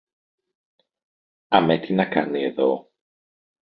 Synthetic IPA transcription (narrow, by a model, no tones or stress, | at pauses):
ɐmet̪inɐkanieðo